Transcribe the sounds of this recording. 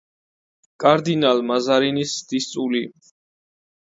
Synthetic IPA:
kʼaɾd̪inalmazaɾinisd̪̥ist̪sʼuli

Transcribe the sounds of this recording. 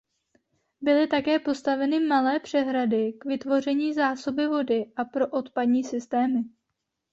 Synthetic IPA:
bɪlɪt̪akɛːpo̞st̪avɛnɪmalɛːpr̝̥ɛɦɾadɪkvɪt̪vo̞r̝ɛɲiːzaːso̞bɪvo̞dɪʔapɾo̞ʔo̞t̪padɲiːsɪst̪ɛːmɪ

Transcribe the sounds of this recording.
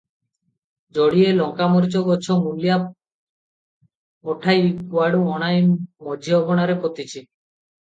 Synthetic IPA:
d͡ʒɔɽielɔŋkamoɾt͡ʃɔɡɔt͡ʃʰomulija | ɔʈʰajkwaɽuɔɽ̃ajmɔd͡ʒʱiɔbɔɽ̃aɾepot̪it͡ɕʰi

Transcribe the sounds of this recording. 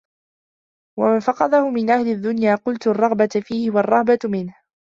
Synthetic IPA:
wamanfɑqɑd̪ahʊmɪnʔahlɪd̪ːʊnjaːqʊlt̪ʊrˤːɑɣbat̪fiːhɪwɑrˤːɑhbat̪mɪnh

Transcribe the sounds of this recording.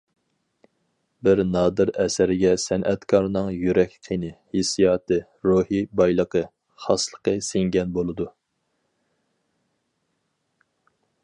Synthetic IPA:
bɪɾnɑːd̪ɨɾɛsæɾɪɡʲɛsɛnʔɛt̪kʰɑɾnɨŋjyɾɛkʲqʰinɨhesijɑːt̪ʰɨ | ɾuhibɑjlˠəqə | χɑslˠəqəseŋɡʲɛnbolˠɨd̪u

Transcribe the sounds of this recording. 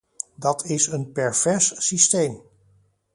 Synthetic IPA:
dɑtʰɪsənpɛɹv̥ɛɹssistejm

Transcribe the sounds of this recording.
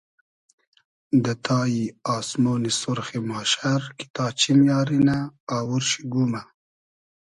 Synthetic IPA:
d̪ət̪ʰɑːjiɑːsmonisʊɾxemɑːʃaɾki̥t̪ɑːt͡ʃimjɑːɾinaawuɾʃiɡuma

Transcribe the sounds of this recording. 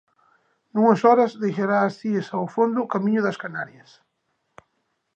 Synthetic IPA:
nuŋɐsɔɾɐzðejʃaɾaːsiesawfond̪ʊkamĩɲʊðɐskanaɾjɐs

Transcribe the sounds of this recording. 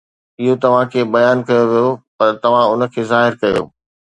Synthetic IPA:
ɪɦot̪ɐʋ̤ãkʰeːbɐjaːnkɐjoʋijopɐɾt̪ɐʋ̤ãʊnə̆kʰeːzaːɦɪɾkɐjo̰ː

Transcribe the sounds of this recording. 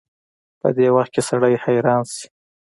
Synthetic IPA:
pə̰d̪ewaxt̪̚kesaɽajhajɾɑnsi̥

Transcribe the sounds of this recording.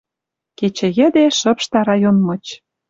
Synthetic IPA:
ket͡ɕĕjə̆d̪eʃə̆pʃt̪ɑɾɑjonmɤ̆t͡ɕ

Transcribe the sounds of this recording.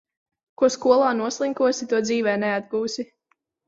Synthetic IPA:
kuɔskuɔlˠaːnuɔslˠiŋkuɔsit̪uɔd̪ziːvɛːnɛad̪̚ɡuːsi

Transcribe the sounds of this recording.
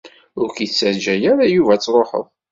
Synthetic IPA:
ʊɾkiθsəɾd͡ʒæjaɾajuvæt͡sːɾˤoħə̰ðˤ

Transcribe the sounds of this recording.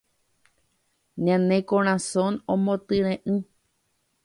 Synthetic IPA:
ɲãnẽkõɾ̃ãsõnõmõt̪ɨɾ̃ẽʔɨ̃

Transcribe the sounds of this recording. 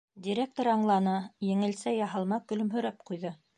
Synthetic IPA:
dʲiɾʲek̚t̪oɾɑɴlˠɑnɤjɘ̆ŋɘ̆lsæjɑɦɤ̆lˠmɑkɵ̆lɵ̆mɦɵ̆ɾæp̚qujðɤ

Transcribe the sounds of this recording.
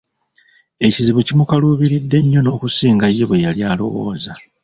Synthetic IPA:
e̞ciziβucimukaluβiɾidːe̞ɲːo̞no̞ːkusiːŋɡajːeβwejaljaːlo̞̰wo̞̰ːza

